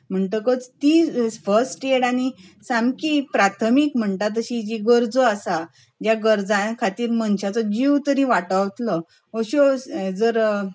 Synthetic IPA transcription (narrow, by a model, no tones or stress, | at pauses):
m̤əɳʈəkət͡st̪ifəɾsʈeɽañisamkipɾat̪ʰəmikm̤əɳt̪at̪̬əɕid͡ʑiɡəɾd͡zəasa | d͡ʑjaɡəɾd͡zãkʰat̪iːɾmənɕat͡sɔd͡ʑiwt̪əɾiʋaʈəʋt̪lə | oɕod͡zəɾ